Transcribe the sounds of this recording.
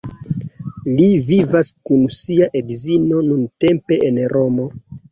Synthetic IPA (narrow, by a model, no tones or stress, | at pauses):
livivaskunsiaʔedzino̞nunte̞mpe̞ʔenɾo̞mo̞